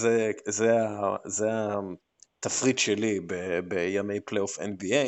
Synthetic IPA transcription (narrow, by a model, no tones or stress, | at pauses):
zezeazea | t̪afʁidʃelibebejame̞jplejofenbie